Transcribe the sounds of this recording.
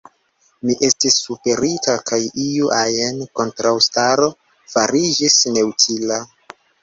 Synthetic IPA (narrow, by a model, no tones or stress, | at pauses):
miʔe̞stisːupe̞ɾitakajiuʔajenko̞ntɾawstaɾo̞ | faɾid͡ʒisne̞wtʰila